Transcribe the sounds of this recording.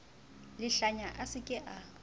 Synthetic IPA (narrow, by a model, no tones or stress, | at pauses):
lɪɬaɲaʔasɪkʼɪʔa